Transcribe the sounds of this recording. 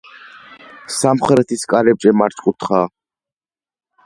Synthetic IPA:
samχɾɛt̪ʰiskʼaɾɛb̚d͡ʒʼɛmaɾt͡ʃʼkʼut̪ʰχa

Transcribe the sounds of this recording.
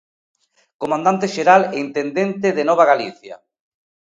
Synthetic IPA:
komãnd̪ant̪eʃeɾaleint̪end̪ent̪eðenɔβ̞aɣaliθja̰

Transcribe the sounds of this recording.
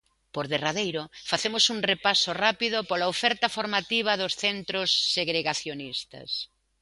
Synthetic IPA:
poɾðeraðejɾʊfaθemʊsuŋrepasorapiðʊpolaofɛɾt̪ɐfoɾmat̪iβ̞ɐðosθent̪ɾosːeɣɾeɣaθjonist̪ɐ̰s

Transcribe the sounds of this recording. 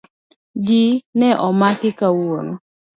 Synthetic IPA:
d͡ʒinɛʔɔmakɪkawono

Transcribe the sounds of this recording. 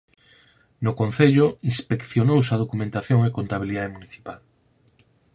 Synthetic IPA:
nʊkon̟θeʎoinspekθjonowsað̞okumẽnt̪aθjoŋekont̪aβ̞iliðaðemuniθi̥pal

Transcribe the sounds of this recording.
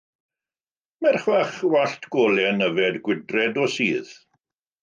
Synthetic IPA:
mɛrχwaχwaɬtʰɡ̥ɔːlɛnəvɛdɡwɪdrɛdɔsiːð

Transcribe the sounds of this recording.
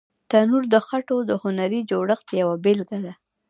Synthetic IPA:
t̪anuɾd̪əxaʈod̪əhʊnaɾid͡ʒoɽəxt̪əjawabelɡad̪a

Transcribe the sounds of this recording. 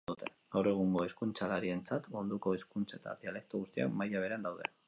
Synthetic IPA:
ut̪ʰe̞̰ | ɡ̥awre̞ɣ̞uŋɡo̞e̞skunt͡salaɾie̞nt͡sat̪mund̪uko̞eskunt͡saet̪a̰ðiale̞k̚t̪oɣust̪ia̰kmajaβ̞e̞ɾeand̪awðe̞̰

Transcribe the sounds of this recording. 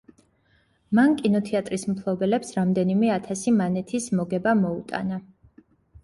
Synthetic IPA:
mankʼinɔt̪ʰɛat̪ʼɾismpʰlˠɔbɛlɛpsɾamd̪ɛnimɛat̪ʰasimanɛt̪ʰismɔɡɛbamɔut̪ʼa̰na

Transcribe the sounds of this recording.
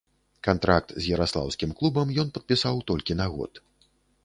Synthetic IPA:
kant̪ɾak̚t̪zʲjɐɾaslˠa̰wsʲkʲimklˠubɐmjɔnpɐt̪̚pʲisawt̪ɔlʲkʲinaɣɔ̰t̪

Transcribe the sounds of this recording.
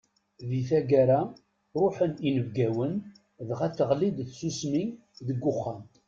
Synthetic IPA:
ðiθæɡaɾa | ɾˤʊħəninəvɡæwən | ðʁæθəʁlid̪θsusmiŋ | ðəɡːʊχːam

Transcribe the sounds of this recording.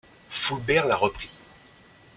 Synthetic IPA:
fulbɛʁlaʁəpχi

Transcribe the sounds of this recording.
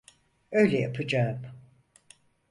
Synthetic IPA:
øjlʲɛja̰pʰɯd͡ʒaːm

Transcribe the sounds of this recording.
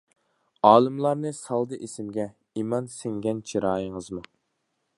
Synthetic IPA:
ɑːlˠɨmlˠɑɾnɨsɑlˠd̪ɨʔesɪmɡʲɛ | imɑnsɪŋɡʲɛnt͡ʃʰiɾɑːjəŋəzmu

